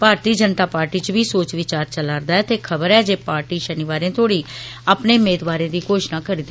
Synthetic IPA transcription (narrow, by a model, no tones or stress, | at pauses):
paːɾt̪iːd͡ʒənt̪aːpaːɾʈiːt͡ʃəbiːsoːt͡ʃʋɪt͡ʃaːɾt͡ʃəlaːɾd̪aːɛːt̪eːkʰəbəɾɛːd͡ʒeːpaːɾʈiːʃənɪʋaːɾẽːt̪ʰoːɽiːaːpneːʊmeːd̪ʋaːɾẽːd̪iːkoːʃnãːkəɾiːd̪